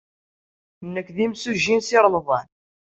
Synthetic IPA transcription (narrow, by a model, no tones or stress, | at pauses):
nːəkːðimsuʒinsɪɾˤlðˤɑn